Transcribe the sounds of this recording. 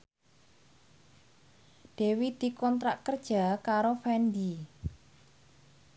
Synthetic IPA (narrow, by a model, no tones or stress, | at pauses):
d̪̥e̤wid̪̥i̤kɔnt̪ɾaʔkərd̥ʒ̥a̤kaɾofɛnd̪i